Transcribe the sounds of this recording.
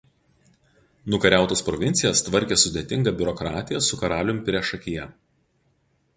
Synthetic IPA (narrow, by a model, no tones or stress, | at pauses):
nʊkɐɾʲæˑʊt̪oːspɾɔʋʲɪnʲt̪sʲɪjɛst̪ʋɐɾʲkʲesʊd̪ʲet̪ʲɪŋɡɐbʲʊɾɔkɾɑːt̪ʲɪjɛsʊkɐɾɑːlʲʊmpʲɾʲɛʃɐkʲɪjɛ